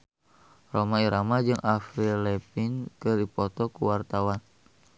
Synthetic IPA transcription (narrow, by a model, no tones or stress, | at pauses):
romaiɾamad͡ʒɨŋʔafɾilɛpinkɨrdipɔt̪ɔkuwart̪awan